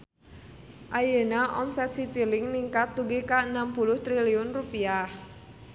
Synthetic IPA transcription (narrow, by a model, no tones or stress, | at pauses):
ʔajənaʔɔmsɛt̪sit̪ilɪŋniŋkat̪ːuɡekaənampulʊht̪ɾiliʊnrupiah